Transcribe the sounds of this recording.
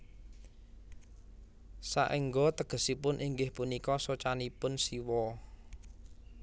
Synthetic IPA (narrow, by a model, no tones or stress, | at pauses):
sa̰ʔiŋɡɔt̪əɡ̥ə̤sipʊnʔiŋɡɪhpunikɔsot͡ʃanipʊnsiwɔ